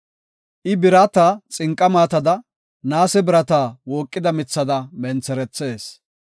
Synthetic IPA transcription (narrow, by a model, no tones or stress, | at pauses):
ʔɪbɪɾɐt̪at͡sʼɪŋkʼːɐmaːt̪ɐd̪ɐ | naːsɛbɪɾɐt̪aːwoːkʼːɪd̪ɐmɪt͡sːɐd̪ɐmɛnt͡sːɛɾɛt͡sːe̞ːs